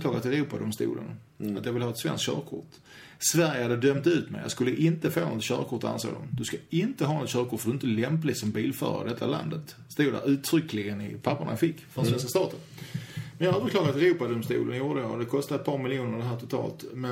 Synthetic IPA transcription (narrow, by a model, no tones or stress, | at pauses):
klɑːɡat̪ʰːɛɾuːpad̪ɔmst̪ṵːlə̰n | at̪jɑvɪlhɑːɛt̪svɛ̰nskɕœ̰ːɾkʰʊ̰ʈ | svæɾjəhad̪ːəd̪œmt̪ʉ̟ːt̪mɛ̰ɪjɑ̰skɵlːəʔɪnt̪əfo̰ːnɔt̪ɕœ̰ːɾkʰʊʈ̪ːa̰nso̰ːd̪ɔ̰md̪ɵskaɪnt̪əɦɑːnɔt̪ɕœːɾkʰʊʈfɔd̪ɵɪnt̪əlɛmplɪsɔmbiːlfœ̰ːɾa̰ɖɛt̪ʰːa̰la̰nd̪ət̪ | st̪uːda̰ʉ̟ːt̪ʰɾʏkːlɪɡənɪpʰapːəɳa̰jɑfɪkːfɔɾsvɛnskast̪ɑːt̪ən | mɛnjɑhœːvəɾklɑːɡaɾat̪ɛɾuːpad̪ɔmst̪ṵːlənjuːɖəəjad̪ɛkʰɔst̪ad̪ɛt̪̚pʰɑːɾmɪljuːnəɾɖ̪ɛɦæːt̪ʰʊt̪ʰɑ̰ːlt̪mɛ